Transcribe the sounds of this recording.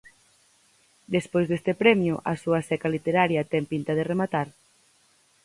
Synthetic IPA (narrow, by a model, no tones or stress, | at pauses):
d̪espojzðest̪epɾɛmjʊʔɐsuɐsɛkalit̪eɾaɾjɐt̪ɛŋpint̪ɐðeremat̪aɾ